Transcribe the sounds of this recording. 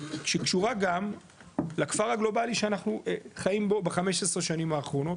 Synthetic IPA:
kʃekʃuʁaɡam | lakfaʁhaɡlo̞baliʃeanaχnueχajimbobaχameʃesʁeʃanimaːχʁo̞no̞t

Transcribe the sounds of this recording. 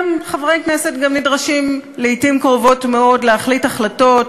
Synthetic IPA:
mχavʁejkne̞setɡamnidʁaʃimleitimkʁovo̞tmeo̞dleaχlitaχlato̞t

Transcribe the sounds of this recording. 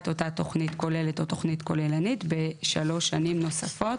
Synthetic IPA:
to̞tato̞χnitko̞le̞leto̞to̞χnitko̞lelanitbeʃalo̞ʃːanimno̞safo̞t

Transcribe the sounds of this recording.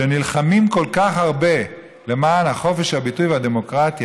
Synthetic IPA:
enilχamimko̞lkaχhaʁbe̞ | le̞maːnhaχo̞fe̞ʃhabitujvead̪e̞mo̞kʁat̪j

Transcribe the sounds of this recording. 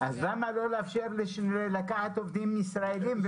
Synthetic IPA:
azlamalo̞leafʃeʁleʃelakaħat̪o̞vd̪imisʁaelimv

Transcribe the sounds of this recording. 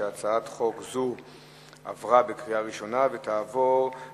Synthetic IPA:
eat͡saatχo̞kzu | a̰vʁabekʁiaʁiʃo̞nave̞taːvo̞ʁ

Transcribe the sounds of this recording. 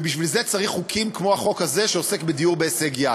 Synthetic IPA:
biʃvilze̞t͡saʁiχːukʰimkmo̞aχo̞khaze̞ʃeose̞kbed̪iuʁbeːseɡja

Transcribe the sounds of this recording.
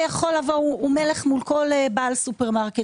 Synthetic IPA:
jaχo̞lavouume̞leχmulko̞lebaːlsupeʁmaʁke

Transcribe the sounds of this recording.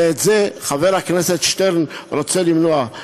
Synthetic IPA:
ɛtzeχavɛɾaknɛsɛtʃtɛɾn̩ɾot͡sɛlimnoa

